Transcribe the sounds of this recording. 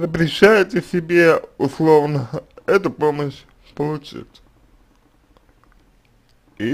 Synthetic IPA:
zəpɾʲɪɕæjɪtʲɪsʲɪbʲeʊslˠovnəɛt̪ʊpoməɕ | pəlˠʊt͡ɕḭtʲ | i

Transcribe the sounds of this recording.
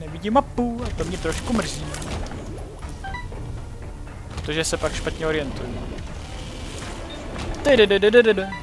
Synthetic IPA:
nɛvɪɟɪmapuat̪omɲɛt̪ɾo̞ʃkumr̩ziː | pɾot̪oʒɛsɛpakʃpat̪ɲɛo̞ɾɪjɛnt̪ujɛ | t̪ɛdɛdədədədədə

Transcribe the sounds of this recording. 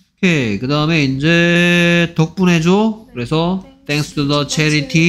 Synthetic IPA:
kʰekɯdaɯmeind͡ʑe | tok̚p͈unɦe̞d͡ʑokɯɾe̞sʰʌt̪ʰeŋksʰɯ̥tʰudʌt͡ɕʰeɾitʰi

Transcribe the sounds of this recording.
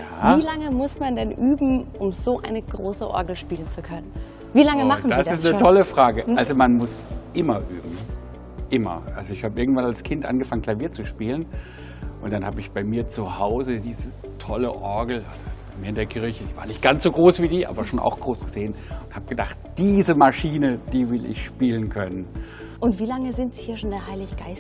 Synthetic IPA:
jaːviːlaŋəmʊsmandɛnʔyːbm̩ʔʊmzoːʔa̰ɪnəɡʁoːsəʔɔ̰ɐɡl̩ʃpiːlənt͡sukʰœnən | viːlaŋəman̩dasɪsnətʰɔləfʁ̥aːɡəalzomanmʊsʔɪmɐʔyːbm̩ | ʔɪmɐ̰ʔalzoɪçhaːbəɪɐɡŋ̩tv̥analskʰɪntʔa̰nɡəfaŋənklaviːɐt͡suʃpiːlən | ʔʊntd̥anhaːbəɪçb̥aɪmiːɐt͡suhaʊzədiːzə | tʰɔləʔɔɐɡl̩ʔa̰lz̥obaɪmiːɐɪndeːɐkʰɪɐçədiːv̥a̰ːɐnɪçt̚ɡ̥ant͡sz̥oːɡʁoːsv̥iːdiːʔa̰ːbɐʃoːnʔa̰ʊxɡ̥ʁoːsɡ̥əzeːənʊnthaːb̥əɡ̥ədaχt̚d̥iːzəmaʃiːnəd̥iːvɪlʔɪ̰çʃpiːlənkʰœnən | ʔʊntv̥iːlaŋəzɪntz̥ihiːɐʃondeːɐhaɪlɪçɡ̥aɪs

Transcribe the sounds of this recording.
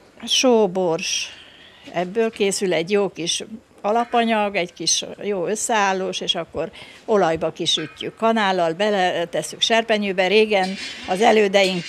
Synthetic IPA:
ʃoːborʃ | ɛbːøːlkeːsylɛɟjoːkiʃ | ɒlɒpɒɲɒɡɛɟkiʃjoːø̞sːɛaːlːoːʃeːʃɒkːo̞ro̞lɒjbɒkiʃycːy̰kːɒnaːlːɒlbɛlɛt̪ɛsːykʃɛrpɛɲyːbɛɾeːɡɛnɒzɛløːd̪ɛjiŋ

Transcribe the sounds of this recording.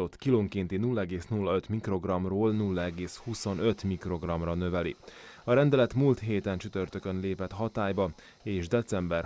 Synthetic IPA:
o̞t̪kiloːŋkint̪inulːɒɛɡeːsnulːɒø̞t̪mikro̞ɡrɒmroːlnulːɒɛɡeːshuso̞nø̞t̪mikro̞ɡrɒmrɒnø̞vɛlḭɒɾɛnd̪ɛlɛt̪mult̪ɦeːt̪ɛnt͡ʃyt̪ørt̪ø̞kønleːpɛt̪hɦɒt̪aːjbɒ | eːʒd̪ɛt̪sɛmbɛr

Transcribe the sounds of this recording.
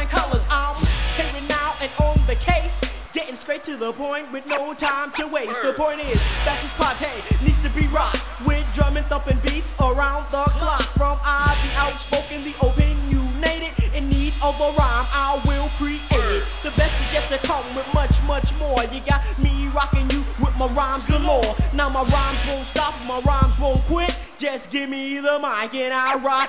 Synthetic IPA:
ɪ̃nkʰʌlˠə˞zãɪ̃mpʰeɪɾɪ̃ŋnaʊʔɨ̃nə̃nðɨkʰeɪsɡ̥ɛɾɪ̃ŋstɹ̥eɪtʰɨðəpʰɔ̃ɪ̃nt̚wɨðnooʊtʰãɪ̃mtʰɨweɪsðəpʰɔ̃ɪ̃ntɪz̥ð̥ætɨz̥pʰɑtʰeɪnidz̥tɨbiɹat̚ | wɪðdɹʌ̃mɪ̃ŋθʌ̃mpɨ̃nbitsə˞ãʊ̃nðəkʰl̥ɑkfɹʌ̃mabiʔaʊtspoʊkɨ̃nðiʔoʊpɨ̃njuneɪɾɨdɨ̃nːidʌvəɹãɪ̃maɪwɪlˠkʰɹ̥ikɛd̚ðɨbɛst̚ɨd͡ʒɛftɨkʰʌ̃mwɨðmʌt͡ʃmʌt͡ʃmɔɹjɨɡɑt̚miɹɑkɪ̃ŋjɨwɪðmaɪɹãɪ̃mzðəlɔɹnaʊmaɪɹãɪ̃mzwõʊ̃ntstɑpmaɪɹãɪ̃mzwõʊ̃nkʰw̥ɪk̚d̥ʒ̥ʌsɡ̥ɪvmiðəmãɪkɨ̃ñaɪɹaɪt̚

